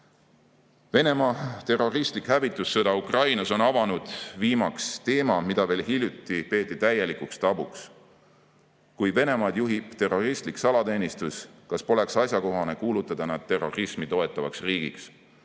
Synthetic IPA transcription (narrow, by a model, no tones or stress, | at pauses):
ve̞ne̞mɑːt̪e̞ro̞rist̪likhævit̪ːˑusːɤd̪ɑukrɑjnɑso̞nɑvɑnud̪̥viːmɑkst̪e̞ːmɑmid̪̥ɑve̞ːlɦilʲjut̪ːˑipe̞ːt̪ːˑit̪æje̞likukst̪ɑb̥uks | kujve̞ne̞mɑːd̪̥juɦibt̪e̞ro̞rist̪liksɑlɑt̪e̞ːnʲist̪uskɑspo̞le̞ksɑsjɑko̞ɦɑne̞kuːlut̪ːˑɑd̪̥ɑnæd̪̥̚t̪e̞rːo̞rismit̪o̞e̞t̪ːˑɑvɑksriːɡ̥ḭks